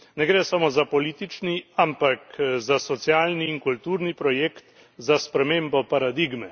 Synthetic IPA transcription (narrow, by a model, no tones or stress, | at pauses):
nɛɡɾɛːsamoːzapɔliːt̪it͡ʃniampakzasɔt̪sjaːlniːŋkult̪uːɾnipɾɔjeːkt̪ | zaspɾɛmeːmbɔpaɾad̪iɡmɛ